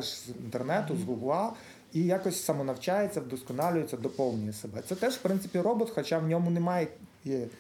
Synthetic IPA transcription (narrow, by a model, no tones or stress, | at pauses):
ʒzint̪ernɛt̪ʊzɦʊblˠɑ | ijɑkɔsʲsɐmɔnɐwt͡ʃajet͡sʲːɐd̪ɔskɔnɑlʲʊjet͡sʲːɐd̪ɔpɔwnʲʊjɛsebɛt̪sɛt̪ɛʒwpɾɪnt̪sɪpʲirɔbɔt̪xɔt͡ʃɑwnʲɔmʊnemɑje